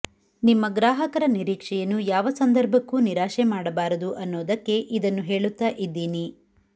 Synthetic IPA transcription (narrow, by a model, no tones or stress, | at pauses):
nimːɐɡɾaːɦɐkɐɾɐniɾiːkʂɛjɐnːujaːʋɐsɐnd̪ɐɾbʱɐkːuːniɾaːʃemaːɽɐbaːɾɐd̪uʔɐnːoːd̪ɐkːe̞ʔid̪ɐnːuɦe̞ːɭut̪ːaːʔid̪ːiːni